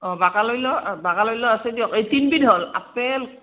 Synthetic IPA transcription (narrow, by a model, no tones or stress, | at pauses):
ɔ̃bakalojlɔbakalojlɔasɛdijɔkejtinbidɦola̰pɛl